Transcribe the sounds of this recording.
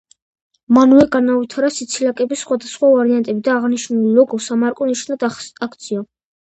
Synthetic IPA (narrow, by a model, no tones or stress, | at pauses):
manuɛɡanavit̪ʰaɾasit̪sʰilakʼɛbisːχwad̪asχwavaɾiant̪ʼɛbid̪aːʁniʃnulilɔɡɔsamaɾkʼɔniʃnad̪akʰt̪sʰiɔ